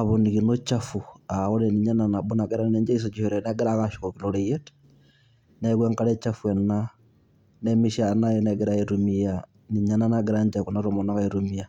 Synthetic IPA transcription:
aβɔnikinɔt͡ʃafuaɣɔnɛniɲananabɔnaɡɛɾannɛɲd͡ʒais̬ɔd͡ʒihɔɾɛnɛɡɛɾakaʃo̥kɔkinoɾɛjɛt | nɛkwɛŋkaɾɛt͡ʃafuɛna | nɛmiʃanajɛnɛɡɛɾaeɾumia | niɲananaɡɛɾaɲd͡ʒakɔnaɾomɔnakaiɾumia

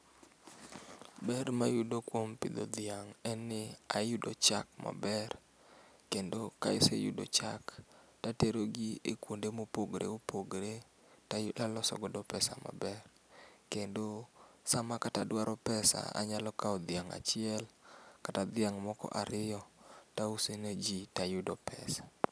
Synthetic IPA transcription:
bɛrmajudokwompɪd̪o̰d̪ɪaŋɛnːɪajudot͡ʃakma̰bɛr | kendokajɔsḛjudo̰t͡ʃaktateɾoɡiekwondemopoɡɾḛopoɡɾe | tajalɔsɔ̰ɡɔdɔpɛsama̰bɛr | kendosamakatadwaɾʔɔpɛsa̰a̰ɲalɔkaɔd̪ɪaŋa̰t͡ʃɪɛlkatad̪ɪaŋmɔkɔ̰ʔaɾɪjɔtausened͡ʒitajʊdɔpɛsḁ

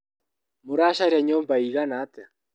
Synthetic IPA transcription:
moɾaʃaɾaɲoːmbaiɣanata

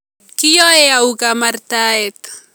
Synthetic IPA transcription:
kɪjoeawɡamaɾt̪aet̪

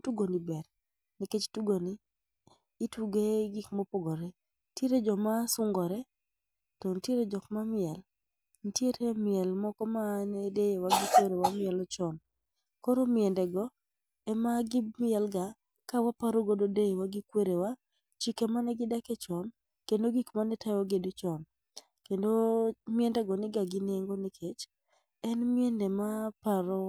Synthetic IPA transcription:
tuɡonibɛɾ | nɛket͡ʃtuɡoniː | tuɡeɡɪkmopoɡoɾe | tjeɾed͡ʒɔmasʊŋɡɔɾɛ | tɔntjeɾed͡ʒɔkmamɪɛl | n̩tjeɾemɪɛlmɔkɔmanedejewaɡɪkweɾewamɪɛlɔt͡ʃɔn | koɾomɪɛndɛɡɔ | ɛmaɡɪmɪɛlɡa | kawapaɾoɡododejewaɡɪkweɾewa | t͡ʃikemanɛɡɪdakɛt͡ʃɔn | kendoɡikmanɛtʰajɔɡedut͡ʃɔn | kendomɪɛndɛɡɔnɪɡaɡɪneŋɡonekʰet͡ʃ | ɛnmɪendemapaɾo

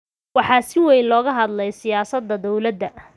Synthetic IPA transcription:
wɑħɑːsɪwɛjnlɔːɣɐɦɐd̪lɛjsɪjaːsɐd̪ːɐd̪ɔwlɐd̪ːɐ

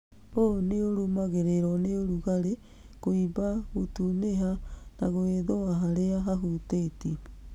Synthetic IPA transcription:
oneoɾumaɣeɾeɾɔneoɾuɣaɾe | koibaɣotuneɦanaɣoeðoaɦaɾeaɦaɦuteti

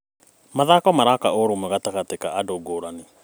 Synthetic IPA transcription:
maðakɔmaɾakaoɾomɛɣataɣatekaadoɡoɾane

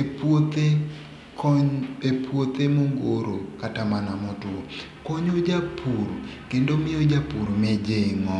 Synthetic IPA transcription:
pot̪e | kɲepwot̪emoŋɡoɾokatamanamɔtwo | koɲod͡ʒapʰuɾkendomɪod͡ʒapuɾmɛd͡ʒeŋɔ

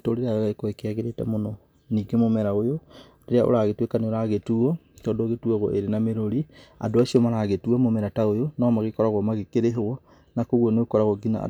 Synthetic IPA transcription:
toɾeɾaaɣaekɔekeaɣeɾetɛ̰monɔ | niːɡemomɛɾaojo | ɾeɾeaʔo̰ɾaɣetwekaneoɾaɣetuɔ | tɔːndoɣetuaɣɔ̰ʔeɾenameɾoɾia̰doasiɔmaɾaɣetuamomɛɾataojonɔːmaɣekɔɾaɣɔmaɣekeɾeɦwɔ | nakoɣwɔnekɔɾaɣɔɡina̰

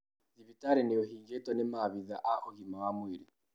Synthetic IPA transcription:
ðiβitaɾɛneohiŋɡɛtɔnemaβiða̰ʔaʔohimawamwiɾi

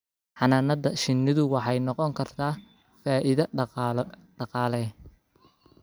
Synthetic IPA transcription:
ħɑnaːnɐdɐʃɪnɪðʊwɑħɑjnɔqɔŋkʰɐrt̪ʰaː | faːʔɪðɐ | ɖɑqɑːlɛ

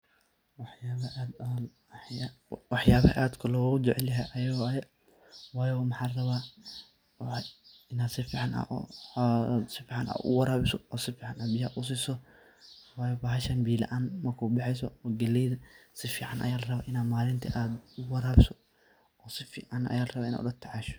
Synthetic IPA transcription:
wɑħjaːβʔːd̪ | wɑħjaːβhɐ̰ʔaːd̪kʰʊlɔːɣɣʊd͡ʒɛʕɛljɐɦɛjʔɐjɐɣɔjɛ | wɑːjɔmɐħaːlrɐβaː | ɪnaːd̪sɪfiːʕɑnʔa̰ | sɪfiːʕɑna̰ːd̪ʊ̰wɑɾaːβɪsɔɔːsɪfiːʕɑnabɪjɐɐʔʊs̬isɔ | waːjɔbaːɦɐʃɐnbiːlɐ̰ʔaːnmɐrkʰʊbɑħɛjs̬ɔɔːɡɐlɛjðɐsɪfiːʕanʔɐ̰jaːlɐrɐβa̰ːʔɪnaːd̪maːlɪnt̪ʰɐʔaːd̪ʊwɑɾaːβɪsɔ | ɔːsɪfiːʕɑnʔɐ̰jaːlrɐβaːʔɪna̰ʊɐt̪ʰɐʕɑːʃɔ̥

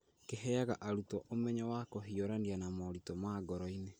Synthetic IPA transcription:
keɦɛaɣaʔaɾutɔʔomɛɲɔwakɔɦiɔɾanianamɔɾitɔmaɡɔɾɔine

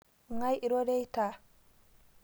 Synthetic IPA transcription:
ŋajiɾodɛjtaː

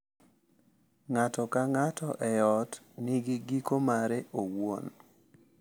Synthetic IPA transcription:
ŋatɔkaŋatɔʔɛjɔt | nɪɡɪɡikomaɾeʔowo̰n

